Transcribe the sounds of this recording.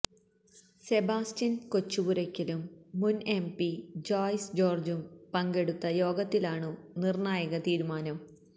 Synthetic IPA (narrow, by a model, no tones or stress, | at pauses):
se̞baːstinko̞t͡ɕːubuɾɐkʲːɐlumːunempid͡ʑaːjsd͡ʑo̞ːrd͡ʑumpɐŋɡe̞ɽut̪ːɐjoːɡɐt̪ːilaːɳɨnirnaːjɐɣɐt̪iːɾumaːnɐm